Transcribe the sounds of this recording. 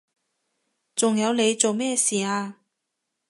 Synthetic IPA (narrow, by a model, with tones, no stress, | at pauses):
t͡sʊ˨ŋjɐ˨˧wle˨˧jt͡so˨wmɛː˥˧siː˨aː˧